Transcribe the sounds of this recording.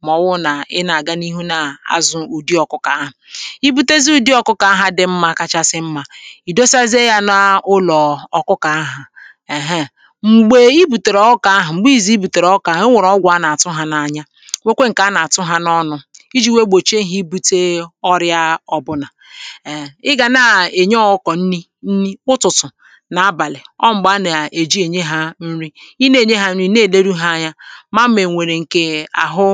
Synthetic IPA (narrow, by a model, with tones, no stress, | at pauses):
mɔ˨wʊ˦na˨ɪ˦na˨ɡa˦ni˦ɦu˦na˨a̰˨zʊ˨u˨di˦ɔ˨kʊ˦ka˨a˦ɦa˨i˦bu˦te˦zi˦u˨di˦ɔ˨kʊ˦ka˨a˦ɦa˦dɪ˨m̩˦ma˦ka˦t͡ʃa˦sɪ˦m̩˦ma˦i˨do˦sa˦ze˦ja˦na˦ʊ˦lɔ˨ɔ˨kʊ˦ka˨a˦ɦa˨ | e˨ɦe˦ | ŋ͡m̩˨ɡ͡be˨i˦bu˨te˨ɾɔ˨˦ka˨a˦ɦa˨ŋ͡m̩˨ɡ͡bi˦˨zi˦i˦bu˨te˨ɾɔ˦ka˨ɦe˦ŋʷe˨ɾɔ˦ɡʷa˦na˨a˨tʊ˦ɦa˨na˨a˨ɲa˦ | ŋʷe˦kʷe˦ŋ̩˨ka˨˦na˨a˨tʊ˦ɦa˦nɔ˦nʊ˦i˦d͡ʒi˦˨we˦ɡ͡bo˨t͡ʃe˦˨ɦi˦bu˦te˦ɔ˦ɾja˦ɔ˦bʊ˦na˨ | ɪ˦ɡa˨na˨e˨ɲ˦ɔ˦ɔ˦kɔ˨n̩˦ni˦ | n̩˦ni˦ʊ˦tʊ˨tʊ˨ | na˨a˦ba˨lɪ˨ɔ˦ŋ͡m̩˨ɡ͡ba˦na˨e˨d͡ʒi˦e˨ɲe˦ɦa˦n̩˦ɾi˦i˦ne˦˨ɲe˦ɦa˦n̩˦ɾi˦ne˦˨le˦ɾu˦ɦa˦a˦˨ɲa˦ma˦m˦me˨ŋʷe˨ɾe˨ŋ̩˨ke˨a̰˨ɦʊ˦